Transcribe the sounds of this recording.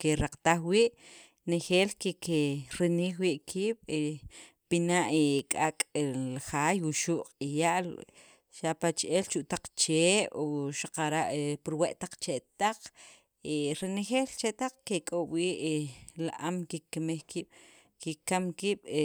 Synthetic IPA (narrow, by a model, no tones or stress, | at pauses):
keɾaqt̪aχwiːʔ | nexeːlkekeɾiniːxwiʔkʰiːɓ̥e | pinaʔikʼakʼlaxaːjwuʃuːʔqqʼijaʔl | ʃapat͡ʃʔelt͡ʃuʔt̪aq͡χt͡ʃeːʔoʃaqaɾaʔepuɾweʔt̪aq͡χt͡ʃet̪aq͡χ | eɾenexeːlt͡ʃeʔt̪aq͡χkekʼoʔɓwiːʔla̰ʔamkikːemekiːɓ̥ | kikamkiːɓ̥